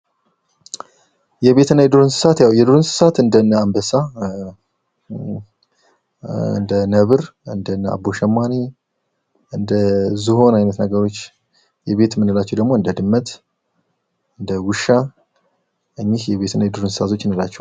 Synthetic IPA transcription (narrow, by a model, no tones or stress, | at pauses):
jɛβe̞t̪ʰɨnajɛd̪uɾunsɨ̥sat̪jawjɛd̪uɾonsɨ̥sat̪ɨnd̪ənːəambəsa | ɨ̰nd̪ənəβɨɾɨnd̪ənːəa̰bo̞ʃɛmːani | ɨnd̪əzɨɦo̞najnət̪nəɡəɾo̞t͡ʃː | jɛβe̞t̪mːɨnːɨlat͡ʃːɛwd̪əɡmoɨnd̪əd̪ɨmːət̪ | ɨnd̪əwʊʃa | ɨɲːɪhjɛβe̞t̪ʰɨnaɛd̪uɾunsɨ̥sat̪ʰot͡ʃːɪnːɨlat͡ʃːɛw